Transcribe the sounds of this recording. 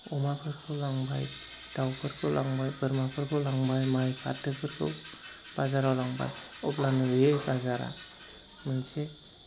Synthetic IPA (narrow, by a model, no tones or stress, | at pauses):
ɔmapʰɯɾkʰɯwlaŋba̰j | d̥awpʰɯɾkʰɯlʔaŋbajbɯɾmapʰɯɾkʰɯwlaŋbajmajpʰa̰tːɯkʰɯɾkʰɯ̰wb̥azaɾawlaŋba̰jɔplanɯejbazaɾa̰ | mɯnse